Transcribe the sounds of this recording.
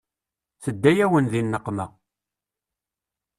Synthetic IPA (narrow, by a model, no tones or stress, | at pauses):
θəd̪ːæjæwənðinːəqːmæ